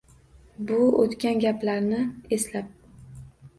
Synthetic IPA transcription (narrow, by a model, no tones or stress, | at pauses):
bʊot̪kʲanɡʲaplaɾnɪe̞slap̚